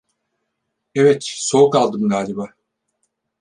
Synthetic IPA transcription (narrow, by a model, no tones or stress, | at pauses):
ɛvɛt̪so̞ukalˠd̪ɯmd̪aːd͡ʒaba